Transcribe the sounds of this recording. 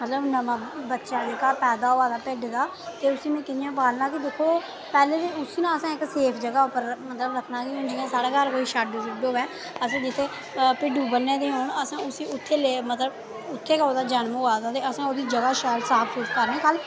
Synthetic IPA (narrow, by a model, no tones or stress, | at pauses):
mət̪ləbnəmãːbətːʃaːdeːkaːpɛːd̪aːoːaːd̪aːpɪɖɡ̪aː | t̪eːʊsĩːmɛ̃ːkɪnɪjãːpaːlnãːkid̪eːkʰːoː | pɛːleːd̪eːʊsiːnãːəsãːɪkseːpʰd͡ʒəɡaːʊpəɾmət̪ləbləkʰnãːkɪɦʊ̃nd͡ʒɪɡãːsaːɽaːkəɾkoːiːʃaːɖoːpɪɖoːʋɛː | əsãːd͡ʒɪt̪ʰːeː | pɪɖũːbənːẽːd̪eːɦoːɳəsãːʊsĩːʊt̪ʰːeːleːmət̪ləb | ʊt̪ʰːeːkəoːd̪aːd͡ʒənmoːaːd̪aːt̪eːəsãːoːd̪iːd͡ʒəɡaːʃaːlsaːpʰsʊpkəɾnẽːkəl